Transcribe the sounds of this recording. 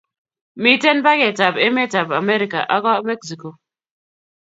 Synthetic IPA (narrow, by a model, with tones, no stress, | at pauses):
mi˦te˦n˦ba˦ɡe˨ta˨be˦me˦˨ta˨ba˨me˦ɾi˨ka̰˨ʔa˦ɡɔ˦me˦ksi˨ko˨